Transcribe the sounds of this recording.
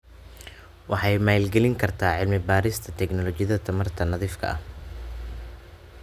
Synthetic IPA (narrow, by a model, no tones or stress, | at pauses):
wɑħɑjmaːlɡɛlɪŋkʰɐrt̪ʰaːʕɪlmɪbaːɾɪst̪ʰɐt̪ʰɛɡnɔlɔt͡ʃɪjðɐt̪ʰɐmɐrt̪ʰɐnɐðiːfkʰɐ̰ʔɐ̰h